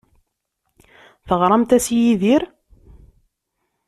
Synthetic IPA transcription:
θəʁɾˤɑmt̪æsjiðiɾ

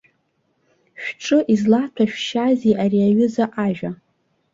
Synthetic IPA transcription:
ʃᶣʈ͡ʂʼɨʔizlatʰaʃᶣʃaziʔariaɥʊzaʔaʒᶣa

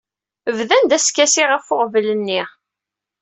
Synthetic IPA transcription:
əvðænd̪æskæsiʁəfʊqvlənːiɪ

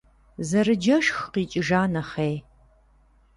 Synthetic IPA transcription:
zɐɾɨd͡ʒɐʃxqiːt͡ʃʼɪʒaːnɐχej

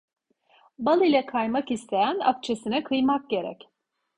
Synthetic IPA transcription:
balˠɯilʲɛkʰajmakist̪ʰe̞jæna̰k̚t͡ʃʰe̞sinɛkʰɯjmak̚ɟe̞ɾɛ̰c

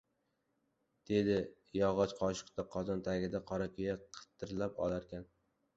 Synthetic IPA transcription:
d̪̥e̞d̪ɪ | jɒʁɒt͡ʃqʰɒʃɪ̥qt̪aqʰɒzɒnt̪ʰaɡʲɪd̪aqʰɒɾakʲʰʊjaqʰɨ̥t̪ʰːɪɾlapɒ̰lˠaɾkʲan

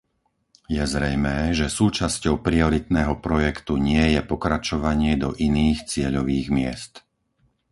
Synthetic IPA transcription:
jɛzɾɛjmɛːʒɛsuːt͡ʃascɔʊpɾiɔɾit̪nɛːɦɔpɾɔjɛkt̪uɲɪɛjɛpɔkɾat͡ʃɔʋaɲɪɛd̪ɔ̰ʔiniːxt͡sɪɛʎɔʋiːɣmɪɛ̰st̪

